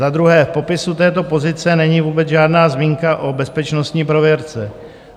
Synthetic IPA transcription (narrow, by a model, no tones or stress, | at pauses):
ad̪ɾuɦɛːfpo̞pɪsut̪ɛːt̪o̞po̞zɪt͡sɛnɛɲiːvuːbɛd͡zʒaːdnaːzmiːŋkaʔo̞bɛspɛt͡ʃnost̪ɲiːpɾo̞vjɛɾt͡sɛ